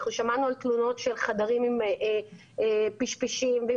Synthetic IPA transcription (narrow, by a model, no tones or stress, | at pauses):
χnuʃamanualtluno̞tʃelχadaʁimim | piʃpiʃimve